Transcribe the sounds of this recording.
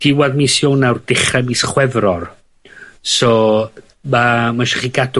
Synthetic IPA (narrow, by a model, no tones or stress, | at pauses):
d̥ɪwaðmiːsjownawrd̥ɪχrɛmisχwɛvrɔr | sɔ | mamaʃḁχiɡad